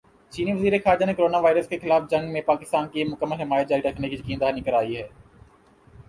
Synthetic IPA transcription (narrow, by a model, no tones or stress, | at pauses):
t͡ʃiːniʋəziːɾexaːɾd͡ʒanekoɾoːnaʋaːɪɾəskexɪlaːfd͡ʒɐ̃ŋɡmẽpaːkɪst̪aːnkimʊkəmːəlɦɪmaːjət̪̚d͡ʒaːɾiɾɐkʰnekizəkiːnd̪aːnikəɾaːiɦɛː